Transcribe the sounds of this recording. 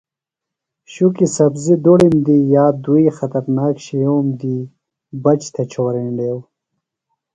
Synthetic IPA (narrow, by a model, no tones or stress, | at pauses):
ɕukisɐbzid̪oɽimd̪ijaːd̪ujxat̪ɐɾnaːkɕejoːmd̪i | bɐt͡ʃt̪ʰɐt͡ɕʰawɐɾeɳɖew